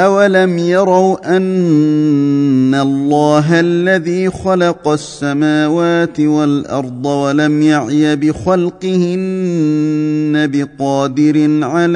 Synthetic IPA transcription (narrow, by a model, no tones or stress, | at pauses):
ʔawalamjɑɾˤɑwʔan | alˤːɑːɦalːaðiːxalɑqɑsːamaːwaːt̪ɪwalʔɑ̰ɾˤd̪ˤɑwalamjaʕjabɪxɑlqɨhɪn | abɪqɑːd̪ɪɾɪnʕal